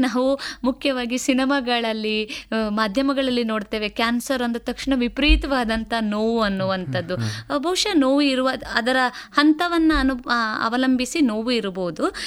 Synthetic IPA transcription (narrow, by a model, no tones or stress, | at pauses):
naːʋumukʰjɐʋaːɡisinɐmaɡɐɭɐlːimaːd̪ʱjɐmɐɡɐɭɐlːino̞ːɖt̪e̞ːʋe̞kjaːnsɐɾɐnd̪ɐt̪ɐkʂɳɐʋipɾiːt̪ɐʋaːd̪ɐnt̪ɐnoːʋuɐnːuʋɐnt̪ʰɐd̪ːubʱɐʋuʂɐnoːʋuiɾuʋɐɐd̪ɐɾɐhɐnt̪ɐʋɐnːɐɐnuɐ̰ʋɐlɐmbʱisinoːʋuiɾboːd̪u